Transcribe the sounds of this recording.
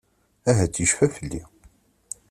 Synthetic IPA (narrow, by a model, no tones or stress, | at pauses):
æɦæt͡sːiʃfæfəlːi